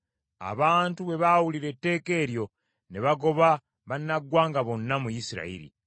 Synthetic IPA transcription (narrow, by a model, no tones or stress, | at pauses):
a̰βaːntuβe̞βawuliɾe̞tːe̞ːke̞ːɾjo̞ | neβaɡo̞βa | βanːaɡwaːŋɡaβo̞nːamujisiɾa̰ḭɾḭ